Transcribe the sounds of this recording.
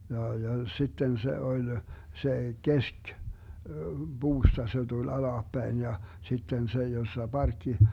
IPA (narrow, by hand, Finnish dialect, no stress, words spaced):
jɑ jɑ sitːen se olʲ se kesk buːstɑ se tul ɑlɑːpːæin jɑ sitːen se josːɑ bɑrkːi